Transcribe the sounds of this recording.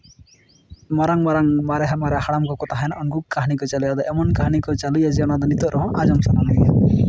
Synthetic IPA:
mɔɾaŋmɔɾaŋmaɾɛɦamaɾɛhaɽamkɔkɔt̪aɦɛjnaʔɔnɡukkaɦanikɔt͡ʃalujad̪ɔʔɛmɔnkaɦanikɔt͡ʃalujad͡ʒɛɔñad̪ɔnit̪ɔɾʔɔɦɔ̃ʔad͡ʒɔmsananaɡɛja

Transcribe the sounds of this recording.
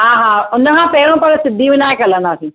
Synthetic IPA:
ɦãːɦaːʊnəkʰãːpeːɽõːpɐɾsɪd̪ʱːiʋɪnaːekɐlə̃naːsĩː

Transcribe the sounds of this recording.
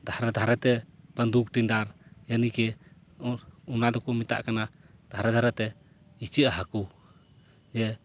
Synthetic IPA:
d̪ʱaɾɛd̪ʱaɾɛt̪ɛb̥ənd̪uk̚ʈinɖaɾjanikɛ | unad̪ɔkɔmit̪a̰ʔkana | d̪ʱaɾɛd̪ʱaɾɛt̪ɛ | it͡ʃəʔaɦaku | d͡ʒɛ

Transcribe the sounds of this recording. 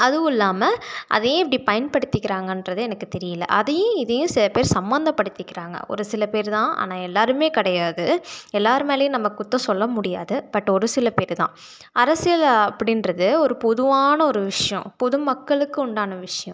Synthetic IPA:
ɐðɯʊɪlːaːmɐʔɐ̰ðɐjʊ̃ɛp̬ːɐɽipɐjɐnpɐɽɯt̪ːɪkːɪɾaːŋɡɐnrɐðɯɛnɐkːɯt̪ɛɾɪjɐlːɐ̰ʔɐðɐjʊ̃ɪðɐjʊ̃sɪlɐpeːɾsɐmbɐnd̪ɐpːɐɽɯt̪ːɪkːɪɾaːŋɡɐ̰ɔ̰ɾɯsɪlɐpeːɾt̪ãːʔa̰ːnãːɛlːaːɾɯmeːkɪɽɐjaːðɯɛlːaːɾɯmeːlɐjʊ̃nɐmːɐkːʊt̪ːɐ̃sɔlːɐmʊɽɪja̰ːðɯpɐʈːɔɾɯsɪlɐpeːɾt̪ã̰ː | ɐɾɐsɪjɐlɐpːɐɽɪnɾɐðɯɔɾɯpɔðɯʋaːnɐɔɾɯʋɪʂɐjɐ̃pɔðɯmɐkːɐɭɯkːɯʊɳɖaːnɐʋɪʂɐjɐ̃

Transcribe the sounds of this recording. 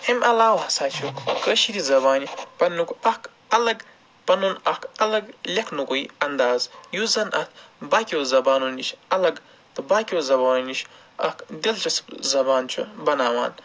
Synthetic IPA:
himʔɐlaːwhɐsaːt͡ʃʰukəːʃiɾizɐbaːnipɐnːukuɐk | ɐlɐɡ | pɐnunɐkɐlɐɡlʲɐkʰnukuiɐnd̪aːzjuzɐnʔɐt̪̚ʰbaːkʲoːzɐbaːnunit͡ʃɐlɐɡ | t̪ɨbaːkʲiozɐbaːnuniʃʰ | ɐ̰kd̪ʲɐlt͡ʃʰɐszɐbaːnt͡ʃʰṵbɐnaːwa̰ːn

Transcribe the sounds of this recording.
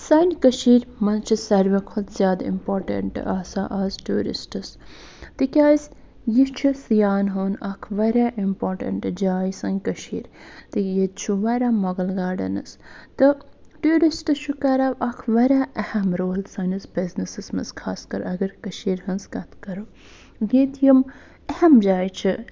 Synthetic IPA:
sɐnʲkɐʃiːɾmɐnt͡ʃʰisɐɾʋɐkʰot̪ʰzʲjaːd̪ḭmpoːɾʈɐ̰ɳʈaːsaːʔaːzʈuːɾḭsʈɨs | t̪ikʲaːjs | jit͡ʃʰisjaːnɦoːnɐkʰʋɐɾʲaːʔimpoːɾʈɐ̰ɳʈd͡ʒaːjsɐnʲkɐʃḭːɾt̪ɨjit͡ʃʰuʋɐɾʲaːmɐɡɐlɡaːɖɐ̰nɐ̰st̪ɨʈuːɾisʈɨt͡ʃʰukɐɾaʋɐkʰʋɐɾʲaːʔɐhɐmɾoːlsɐnɨsbiznɐsɨsmɐskʰaːskɐ̰ɾɐɡɐɾkɐʃiːɾhɐnskɐt̪ʰkɐɾo | ɡeːt̪ʰjɐm | ɐhɐmd͡ʒaːjt͡ʃʰi

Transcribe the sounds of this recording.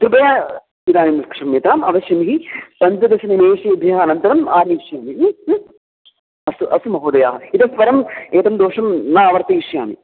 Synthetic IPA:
t̪ɾupɐjaː | id̪aːnimɐskʂɐmeːt̪aːmɐ̰ʋɐɕjɐmiɦipɐnt̪ɐd̪ɐʃɐnimeːʂɐub̪ʱjɐɦɐɐnɐnt̪ɐɾɐmaːniiʂjaːmi | ɐsuʔɐsumɐɦoːd̪ɐja̰ːɦɐit̪ɐsʋɐɾɐmeːt̪ɐmd̪oːʂɐmnaːʋɐɾt̪iiʂja̰ːmḭ

